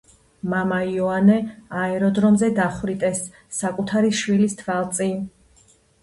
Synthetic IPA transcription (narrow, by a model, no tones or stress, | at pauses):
mamaiɔanɛaɛɾɔd̪ɾɔmzɛd̪aχwɾit̪ʼɛsː | akʼut̪ʰaɾiʃwilist̪ʰvalˠt̪sʼin